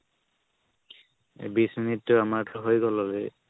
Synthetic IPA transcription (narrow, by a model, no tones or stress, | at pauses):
bisminitːʊamaɹtʊɦojɡɔlɔle